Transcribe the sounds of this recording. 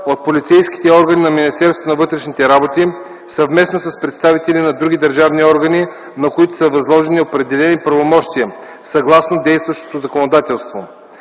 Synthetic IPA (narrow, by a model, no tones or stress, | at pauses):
ot̪̚polit̪sɛjski̥t̪ɛɔɾɡɐnʲinɐminʲist̪ɛɾst̪vonɐvɤt̪ɾɛʃnit̪ɛɾabot̪i | sɐvmɛsnosəspɾɛt̪st̪avit̪ɛlinɐd̪ɾuɡʲid̪ɐɾʒavniɔɾɡəni | nɐkoit̪ʊ̥səvɐzlˠɔʒɛniopɾɛd̪ɛlɛnipɾɐvomɔʃt̪iə | sɐɡlˠasnod̪ɛjst̪vɐʃt̪ot̪ozɐkonod̪at̪ɛlˠst̪vo